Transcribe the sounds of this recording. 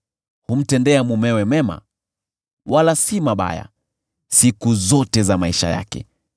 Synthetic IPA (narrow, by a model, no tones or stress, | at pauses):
hum̩tɛndɛamumɛwɛmɛma̰ | walasimaɓa̰ja̰ | sikuzɔtɛzamaiʃa̰ja̰kɛ̰